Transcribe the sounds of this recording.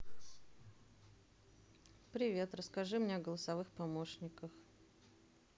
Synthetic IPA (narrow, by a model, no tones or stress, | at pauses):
pɾʲɪvʲe̞t̪ɾəskɐʐɨmnʲeɐɡəlˠəsɐvɨxpɐmo̞ʂnʲɪkəx